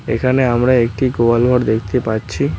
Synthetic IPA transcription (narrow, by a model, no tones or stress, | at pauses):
ḛkʰaneamɾaekʈikoalbʱɔɾd̪ekʰt̪epaɾːɕʰi